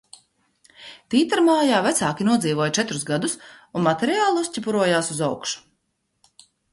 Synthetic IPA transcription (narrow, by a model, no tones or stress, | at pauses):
t̪iːt̪aɾmaːjaːvæt̪saːkʲinuɔziːvoɔjt͡ʃɛt̪ɾuzɡad̪usunmat̪ɛɾiaːlˠuscʲipuɾuɔjaːsuzawkʃu̥